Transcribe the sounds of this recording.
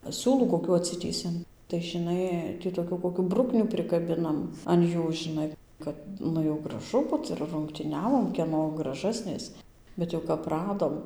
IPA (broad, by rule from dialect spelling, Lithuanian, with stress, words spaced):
ˈsʲuːlˠuː koːˈkʲuː ɐtʲˈsʲɪtʲiːsʲɛm tɐɪ ʒʲɪˈnɐɪ tʲiː toːˈkʲuː koːˈkʲuː ˈbrʊknʲuː pʲrʲɪkɐˈbʲɪnɐm ɐn ˈjuː ʒʲɪˈnɐɪ ˈkɐt ˈnʊ jɛʊ ɡrɐˈʒʊ ˈbʊt ɪr rʊŋktʲiːˈnʲæːʋoːm kʲiɛˈnoː ɡrɐˈʒɑːsʲnʲeːs bʲɛt ˈjɛʊ kɐp ˈrɑːdoːm